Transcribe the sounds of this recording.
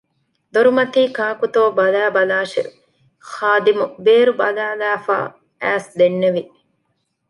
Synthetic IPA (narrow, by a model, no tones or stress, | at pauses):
d̪oɾumɐt̪iːkaːkut̪oːbɐlæːbɐlaːʃḛ | xaːd̪imubeːɾubɐlæːlæːfa̰ː | æːsd̪enːeʋi